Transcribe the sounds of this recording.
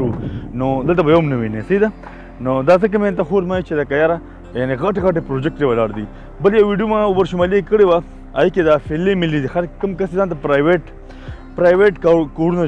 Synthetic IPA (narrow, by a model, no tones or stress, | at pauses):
unod̪əlt̪abɐjomnɐʋinesɐid̪a | nod̪azək̬əmẽnt̪axoɾmait͡ʃed̪akajaːɾa | janiɣaʈeɣɐʈepɾod͡ʒek̚ʈɾebɐlaːɾd̪i | bəljawʋiɖijumãubəɾʃumaliekəɽewa | a̰iked̪afelːemɪlid̪ixaɾkkəmkɐsezãnt̪apɾajweʈ | pɾaːjʋeʈkakoɽuna